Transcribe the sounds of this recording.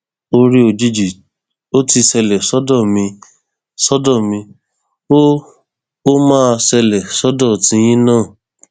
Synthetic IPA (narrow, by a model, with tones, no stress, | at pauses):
o˦ɾi˦o˧˨d͡ʒi˧d͡ʒi˨ | o˦ti˧sɛ˧lɛ˨sɔ˨˦dɔ˦˨mĩ˧ | sɔ˦dɔ˦˨mĩ˧ | o˦ | o˦mãː˦˧sɛ˧lɛ˨sɔ˦dɔ˦˨tĩ˨˧˦j̃ĩ˦nãː˦˨